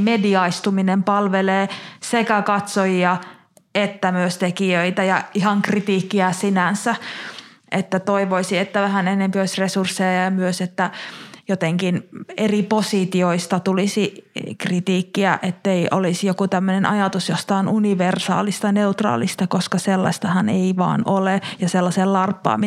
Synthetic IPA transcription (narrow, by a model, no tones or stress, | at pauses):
mediɑist̪uminempɑlʋeleːsekækɑt̪sojiɑ | et̪ːæmyøst̪ekiøit̪æjɑihɑŋkrit̪iːkːiæsinænsæ | ʔet̪ːæt̪oiʋoisiet̪ːæʋæhænenːempioisresursːejɑjɑjɑmyøset̪ːæjot̪eŋkineriposit̪ioist̪ɑt̪ulisikrit̪iːkːiæʔet̪ːeiʔolisjokut̪æmːønenʔɑjɑt̪usjost̪ɑonuniʋersɑ̰ːlist̪ɑneut̪rɑ̰ːlist̪ɑkoskɑselːɑ̰sʲt̪ɑhɑneiʋɑ̰ːnolejɑselːɑsellɑrpːɑ̰ːmi